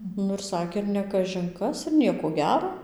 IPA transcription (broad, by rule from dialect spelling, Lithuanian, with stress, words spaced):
ˈnʊ ɪr ˈsɑːkʲeː ɪr nʲɛ kɐʒʲɪn ˈkɐs ɪr ˈnʲiɛkoː ɡʲɛroː